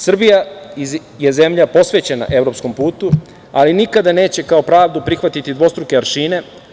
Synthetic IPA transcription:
sr̩bijai | je̞ze̞mʎapo̞sʋe̞t͡ɕe̞na̰ʔe̞ʋɾopsko̞mpuːt̪u | alinikad̪ane̞ːt͡ɕe̞kao̞pɾaːʋd̪upɾixʋat̪it̪id̪ʋo̞st̪ɾukeaɾʃiːne̞

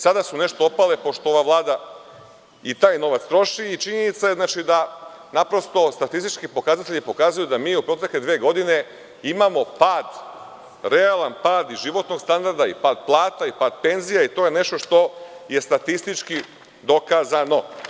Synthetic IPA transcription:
sad̪asuneʃt̪oopalepo̞ʃt̪ooʋaʋlˠaːd̪a | it̪aːjno̞ʋat̪st̪ɾo̞ʃiːt͡ʃiɲenit̪saje̞znat͡ʃid̪a | napɾo̞st̪o̞st̪at̪ist̪it͡ʃkipo̞kaːzat̪eʎipo̞kaːzujud̪amiːupɾo̞t̪ekled̪ʋeːɡo̞d̪ine̞ | imamo̞paːd̪ | ɾealanpaːd̪iʒiʋo̞t̪no̞ɡ̥st̪and̪aɾd̪aḭpaːd̪plˠaːt̪aipaːd̪̥pe̞nzijait̪o̞ːjene̞ʃt̪o̞ʃt̪o̞je̞st̪at̪ist̪it͡ʃki | d̪o̞kaːzano̞

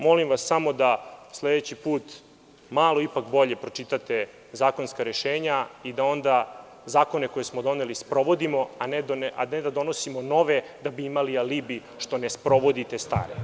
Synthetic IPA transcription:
mo̞limʋasːamo̞d̪asled̪et͡ɕipuːt̪ | maːlˠo̞ipakbo̞ʎe̞pɾo̞t͡ʂit̪at̪e̞ | zaːko̞nskaɾeʃeːɲaid̪ao̞nd̪a | zaːko̞ne̞ko̞jesmo̞d̪o̞ne̞lispɾo̞ʋo̞d̪imo̞aned̪onaed̪ad̪o̞nosimo̞no̞ʋe̞d̪abiimalialibi | ʃt̪o̞nespɾo̞ʋo̞d̪it̪est̪a̰ːɾe

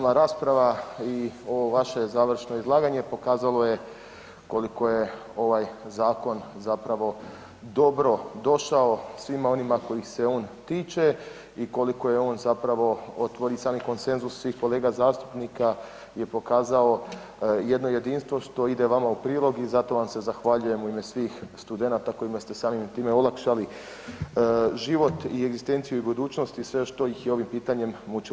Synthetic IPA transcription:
maɾaːspɾaʋaio̞ʋoʋaʃe̞zaːʋr̩ʃno̞izlˠaːɡaɲe̞po̞kaːzalo̞je̞ | ko̞liko̞je̞ | o̞ʋajzaːko̞nzapɾaʋo̞ | d̪o̞bɾo̞d̪o̞ʃao̞sʋimao̞nimako̞jixse̞o̞ːnt̪iːt͡ʃe̞ | iko̞liko̞jeo̞ːnzapɾaʋo̞o̞t̪ʋo̞ɾisaːmiko̞nse̞nzussʋiːxko̞le̞ːɡazaːst̪u̥pnika | je̞po̞kaːzao̞ | je̞d̪no̞je̞d̪iːnst̪ʋo̞ʃt̪o̞id̪e̞ʋamaupɾiːlˠo̞ɡizat̪o̞ʋamse̞zaxʋaʎuje̞muime̞sʋiːxst̪ud̪e̞nat̪ako̞imast̪e̞saːmimt̪iːmeolˠakʃali | ʒiʋo̞t̪ie̞ɡzist̪e̞nt̪sijuibud̪uːt͡ʃno̞st̪isʋe̞ʃt̪o̞jixjeo̞ʋimpiːt̪aɲe̞mmut͡ʃi

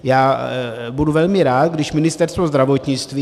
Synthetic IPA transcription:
jaːbuduvɛlmɪɾaːt̪ɡdɪʃmɪnɪst̪ɛɾst̪vozd̪ɾavot̪ɲɪt͡st̪viː

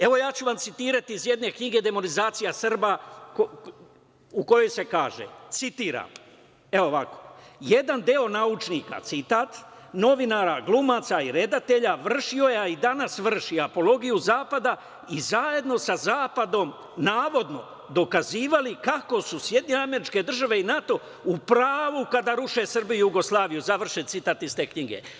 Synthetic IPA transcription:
e̞ʋo̞jaːt͡ɕuʋamt̪sit̪iːɾat̪iːzje̞d̪ne̞kɲiɡe̞d̪e̞mo̞nizaːt̪sijasr̩bako | uko̞jo̞jse̞kaːʒḛt̪sit̪iːɾa̰m | eoʋako̞̥̰je̞d̪and̪eo̞naut͡ʃnika̰t̪sit̪aːt̪ | no̞ʋinaːɾaɡlˠumaːt̪saiɾe̞d̪at̪e̞ʎaʋr̩ʃio̞jeaid̪anasʋr̩ʃiapo̞lo̞ɡijuzaːpad̪a | izaje̞d̪no̞sazaːpad̪o̞m | naːʋo̞d̪no̞̰ | d̪o̞kaziːʋalikako̞susje̞d̪iɲeame̞ɾit͡ʃke̞d̪r̩ʒaʋe̞inat̪o̞ | upɾaːʋukad̪aɾuʃe̞srbijujuɡo̞slˠaːʋijuzaʋr̩ʃet̪sit̪aːt̪ist̪e̞kɲiɡe̞̰

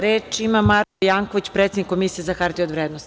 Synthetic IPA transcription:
ɾeːt͡ʃimamaɾkojaːŋkoʋit͡ɕpɾet̪sed̪nikːomisijezaxaɾt̪iod̪ʋɾed̪nost̪

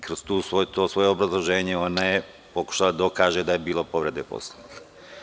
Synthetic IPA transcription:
kɾozt̪uːsʋojt̪oːsʋo̞jeobɾazlˠo̞ʒeːɲeo̞naje | po̞ku̥ʃalad̪aokaːʒed̪ajebiːlo̞po̞ʋɾe̞d̪epo̰slonik

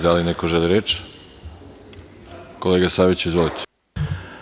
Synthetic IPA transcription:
d̪alinekoʒeliɾet͡ʃ | ko̞leːɡasaʋet͡ɕeizʋolit̪ʰe̥

